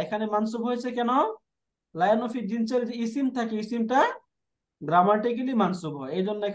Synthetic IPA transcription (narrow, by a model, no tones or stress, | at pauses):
ekʰanemansubɦojsʰekɛnɔ | lajɔnɔfʰid͡ʒinselisimt̪ʰakeisimʈa | ɡɾamaʈik̬elimansubʱɦɔejd͡ʒɔnːɔekʰ